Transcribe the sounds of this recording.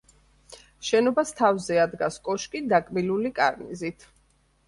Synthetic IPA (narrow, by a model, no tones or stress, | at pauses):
ʃɛnɔbast̪ʰavzɛad̪ɡaskʼɔʃkʼid̪akʼbilulikʼa̰ɾnḭzit̪ʰ